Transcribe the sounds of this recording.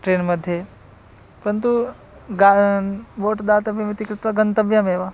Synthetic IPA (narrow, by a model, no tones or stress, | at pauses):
ʈɾenməd̪ʱːje | pɐɾənt̪u | ɡaʋoːʈd̪aːt̪ɐʋimɪt̪ikɾɪt̪ʋɐɡənt̪ɐbjameːʋa